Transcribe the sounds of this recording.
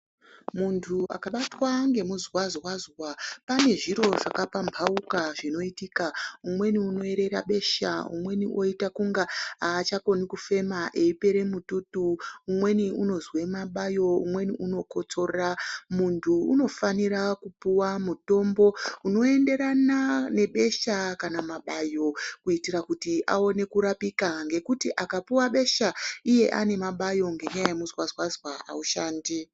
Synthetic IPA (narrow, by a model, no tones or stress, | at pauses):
muntʰua̰kaɓatwaŋɡe̞muzwazwazwapane̞ʐiɾo̞ʐakapambpʰaukaʐino̞itiːkaumwe̞niuno̞e̞ɾe̞ɾa̰ɓe̞ʃa̰ṵmwe̞niʔo̞itakuŋɡaaːt͡ʃako̞nikufe̞maʔe̞ipe̞ɾe̞mututuːmwe̞niuno̞zwe̞maɓajo̞ṵmwe̞niʔuno̞ko̞t͡so̞ramuntʰuːno̞faniɾakupuwamuto̞mbo̞uno̞e̞nde̞ɾanane̞ɓe̞ʃakanamaɓajo̞kuitirakutiʔa̰o̞ne̞kuɾapikaŋɡe̞kutiʔakapuwaɓe̞ʃaije̞ʔa̰ne̞maɓajo̞ŋɡeɲajajemuzwazwazwaʔa̰uʃaːndi